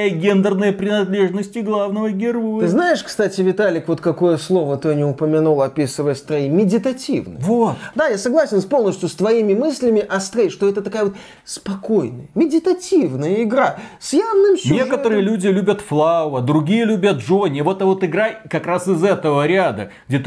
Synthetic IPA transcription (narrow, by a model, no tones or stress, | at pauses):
jəɡʲend̪ərnəjəpɾʲɪnɐd̪lʲe̞ʐnəsʲtʲɪɡlˠavnəvəɡʲɪroj̪ɨɨznajɪʂkst̪atʲɪvʲɪt̪alʲɪkvo̞t̪kɐko̞jəslˠo̞vət̪ɨɐnʲɪʊpəmʲɪnulˠɐpʲisɨvəjəst̪ɾɐimʲɪdʲɪt̪ɐtʲḭvnə̰vot̪d̪ajasɐɡlˠasʲɪnspo̞lˠnəsʲtʲjʊst̪vɐimʲɪmɨsʲlʲɪmʲɪʔɐst̪ɾəjʂt̪o̞ɛt̪ət̪ɐkajəvot̪ | spɐkojnə̰jəmʲɪdʲɪt̪ɐtʲivnəjəɪɡɾasʲjavnɨmsʲnʲekət̪əɾɨɨjəlʲudʲɪlʲubʲət̪flˠaʊəd̪ɾʊɡʲijəlʲubʲət̪ʐonʲɪəvo̞t̪ɐvot̪ɨɡɾajkɐkɾasɨzɛt̪əvəɾʲad̪ə̰ | ɡ̚dʲet̪